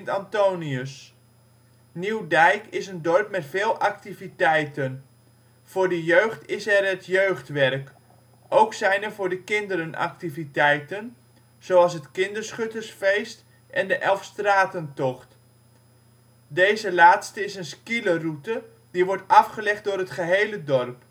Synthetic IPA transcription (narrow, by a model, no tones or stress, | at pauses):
ntantowniəs | niwdɛjkɪsəndɔrp̚mɛtfɪːlˠak̚tivitɛjtən | fʊːɹdəjøːχtɪsɛrətjøɥχtʋɛrk | ʔowksɛjnɛɹvʊːɹdəkɪndəɾənʔa̰k̚tivitɛjtən | z̥owɑlˠs̬ɦətkɪndəɹsχɵtərsfejst | ʔɛndəʔɛlˠfstraːtəntɔχt | dejzəlaːtstəɪsənskilərutə | diʋɔɹtɑfχəlɛχt̚dʊːrɦətχəɦejlədɔrp